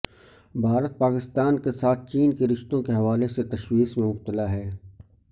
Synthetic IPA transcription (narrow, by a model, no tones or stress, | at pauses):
bʱaːɾət̪̚paːkɪst̪aːnkesaːt̪̚ʰt͡ʃiːnkeɾɪʃt̪õkeɦɐʋaːleset̪ɐʃwiːsmẽmʊb̚t̪əlaɦɛː